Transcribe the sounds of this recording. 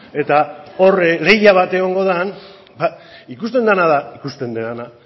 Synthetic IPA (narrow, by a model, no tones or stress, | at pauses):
e̞t̪ao̞rle̞jaβ̞at̪e̞ɣo̞ŋɡo̞ðan | baikust̪e̞nd̪anaðaikust̪e̞nd̪eðana